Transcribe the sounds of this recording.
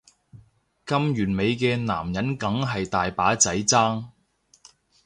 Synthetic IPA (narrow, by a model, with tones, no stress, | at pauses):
kɐ˥mjyː˨˩nme˨˧jkɛː˧na̰ː˨˩mjɐ˨˥nkɐ˨˥ŋɦɐ˨jt̪aː˨jpaː˨˥t͡sɐ˨˥jt͡saː˥ŋ